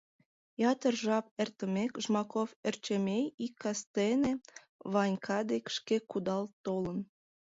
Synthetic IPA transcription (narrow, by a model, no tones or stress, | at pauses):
jɑt̪ərʒɑp̚ert̪ə̆mekʒmɑkofert͡ɕemejikːɑst̪ene | βɑnʲkʰɑd̪ekʃkekud̪ɑlt̪ːolən